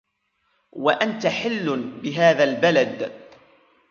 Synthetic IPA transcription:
waʔant̪aħɪlːbɪɦaːðalbalad̪

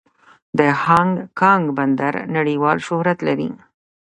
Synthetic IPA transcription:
d̪əhɑŋɡkɑŋɡband̪aɾnaɽiwɑlʃʊhɾat̪laɾḭ

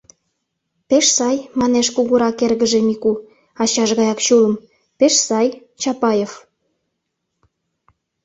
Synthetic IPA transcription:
peʃsɑjmɑneʃkuɣuɾɑkerɣəʒemiku | ɑt͡ɕɑʒɣɑjɑkt͡ɕuləm | peʃsɑj | t͡ɕɑpɑjef

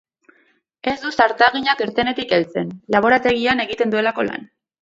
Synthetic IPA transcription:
e̞zd̪usaɾt̪aɣ̞iɲakeɾt̪e̞ne̞t̪ike̞lt͡se̞nlaβ̞o̞ɾat̪e̞ɣiane̞ɣit̪e̞nd̪ue̞lako̞la̰n

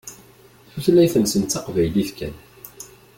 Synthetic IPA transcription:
θuθlæjθənsənt̪ːɑqvæjliθkæ̰n

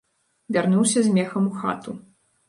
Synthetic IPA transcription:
vʲarnuwsʲɐzʲmʲɛxɐmuxa̰t̪u

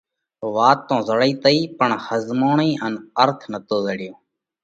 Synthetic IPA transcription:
ʋaːt̪ːõːzəɽiːt̪əiːpəɳhəzmaːɳiːʔənəɾt̪ʰnət̪oːzəɽɪjõː

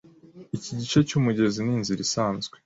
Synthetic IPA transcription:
iciɟit͡ʃecuːmuɟe̞ziniːnziɾisaːnzɡwe

